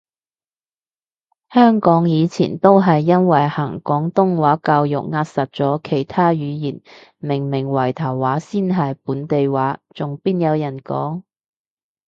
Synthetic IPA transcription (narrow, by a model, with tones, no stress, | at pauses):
hœː˥ŋkɔː˨˥ŋjiː˨˧t͡sʰḭː˨˩nt̪o˥wɦɐ˨jːɐ˥nwɐ˨˩jhɐː˨˩ŋkɔː˨˥ŋt̪ʊ˥ŋwaː˨˥kaː˧wjʊ̰˨k̚ŋaː˧t̚sɐ˨t̚t͡sɔː˨˥kʰe˨˩jt̪ʰaː˥jyː˨˧jiː˨˩n | mɪ˨˩ŋmɪ˨˩ŋwɐ˨˩jt̪ʰɐ˨˩wːaː˨˥siː˥nɦɐ˨jpuː˨˥nt̪e˨jwaː˨˥t͡sʊ˨ŋpiː˥njɐ˨˧wjɐ˨˩nkɔ̰ː˨˥ŋ